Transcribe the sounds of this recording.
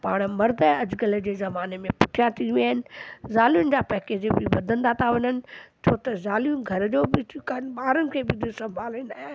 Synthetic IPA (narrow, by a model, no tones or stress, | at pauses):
paːɽ̃mɐɾd̪əɐd͡ʑɡəld͡ʑeːzɐmaːnemẽpʊʈʰijat̪ʰiʋiaːɦɪnɪ̆zaːlijʊnɪ̆d͡ʑaːpɐɦkeːd͡ʑbɪʋɐd̪ʱə̃nd̪at̪ʰaʋɐɲənɪ̆t͡ɕʰoːt̪ɐzaːlijʊnɡʱɐɾd͡ʑoːbɪt̪ikanbaːɾʊnɪ̆kʰeːbɪd̪ʱisɐ̃mbʱaːlnd̪aːɦɪ